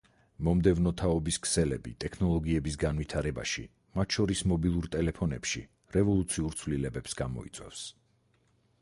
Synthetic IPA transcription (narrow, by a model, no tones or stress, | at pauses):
mɔmd̪ɛvnɔt̪ʰaɔbiskʰsɛlɛbit̪ʼɛkʰnɔlˠɔɡiɛbisɡanvit̪ʰaɾɛba̰ʃḭ | mat̪ʰʃɔɾismɔbilˠuɾt̪ʼɛlɛpʰɔnɛ̰pʃi | ɾɛvɔlˠut̪sʰiuɾt̪sʰvlilɛbɛpsɡamɔ̰ḭt̪sʼwɛ̰fs